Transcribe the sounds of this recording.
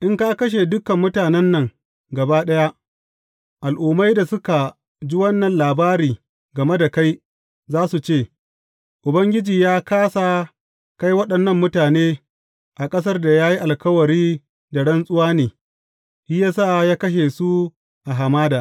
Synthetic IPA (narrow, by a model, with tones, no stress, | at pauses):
ʔɪ˦ŋkaː˦kɐ˦ʃ̬e˨dʊ˦kɐ˨mːʊ˦taː˨nɛ˦nːɐ˨ŋ | ɡɐ˨baː˦ɗɐ˦ja˦ʔ | ʔa˨lʔʊː˨ma˦jda˨sʊ˦ka˨ | d͡ʒi˦wɐ˦nːɐ˨nlaː˨baː˦ɾiː˨ | ɡɐ˨me˦da˨ka˦j | zaː˦su˨t͡ʃeː˦˨ | ʔʊ˨bɐ˦ŋɡʲɪ˦d͡ʒiː˨jaː˦kaː˦sa˨ | ka˦jwɐ˦ɗɐ˨nːɐ˦mːʊ˦taː˨neː˦ | ʔa˨kʼɐ˦s̬ɐ˦rda˨jaː˦ji˦ʔa˨lkɐ˦wɐ˨ɾiː˦ | da˨ɽɐ˦nsʼʊ˦waː˦neː˨ | hiː˦jaː˦saː˦˨jaː˦kɐ˦ʃ̬e˨su˦ | ʔa˨ɦa˨maː˦daː˨